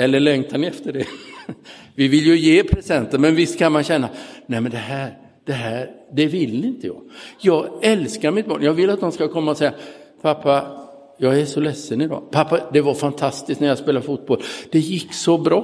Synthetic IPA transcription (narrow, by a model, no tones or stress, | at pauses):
ɛlːəɭɛŋt̪ʰanɛft̪əɖɛ | vɪvɪljɵjeːpʰɾɛsɛnt̪əmɛnvɪst̪kʰanmanɕɛnːanɛmɛnd̪ɛɦæːɾ | d̪̥ɛɦæɾɖ̪ɛvɪlːɪnt̪əjɑ̰ːɡjɑːɡɛlskaɾmɪt̪̚bɑ̰ːnjɑːɡvɪlːat̪̚d̪ɔmskakʰɔmːaɔsɛjːa | pʰapʰːa | jɑːɡæʂɔlɛsːənɪd̪ɑ̰ːpʰapːad̪ɛvaɾfant̪ʰast̪ɪsk̪næɾjɑːspeːlaɾfuːt̪̚bɔld̪̥ɛjɪkːsɔbɾɑː